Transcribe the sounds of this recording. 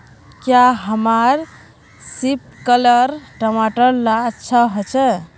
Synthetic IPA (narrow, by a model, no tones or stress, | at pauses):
kjaɦəmaɾ | sip̚kələɾʈəmaʈəɾlat͡ʃʰəɦət͡ʃʰɛ